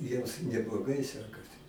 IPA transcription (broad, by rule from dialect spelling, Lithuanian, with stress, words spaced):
ˈjiɛms nʲɛblˠoːˈɡɐɪ ˈsʲæːkɐsʲɪ